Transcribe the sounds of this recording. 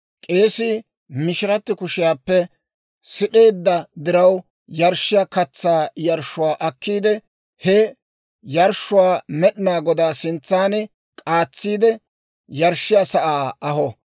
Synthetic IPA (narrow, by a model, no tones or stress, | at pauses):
kʼeːsɪ | mɪʃɪɾɐt̪ːɪkʊʃɪjaːpːɛ | sɪɗe̞ːd̪ːɐd̪ɪɾɐw | jɐɾʃːɪjakɐt͡sːaːjɐɾʃʊwaːʔɐkːiːd̪ɛ | hɛ | jɐɾʃʊwaːmɛɗɪnaːɡɔd̪aːsɪnt͡sːaːnɪ | kʼaːt͡sːiːd̪ɛ | jɐɾʃːɪjasɐʔaːɐɦɔ